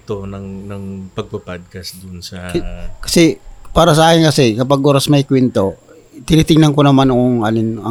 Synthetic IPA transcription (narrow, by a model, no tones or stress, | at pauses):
t̪onɐŋnɐŋpɐɡ̚pɐpad̪̚kɐsd̪ʊnsɐkɐ̥sɛpaːɾɐs̬ɐʔaːkɪnkɐsɛkɐpaɡ̚ʔoːɾɐsmɐɪkwɛnt̪o̞ | t̪ɪnit̪ɪŋnɐnkonɐmanoŋoŋalɪnɐ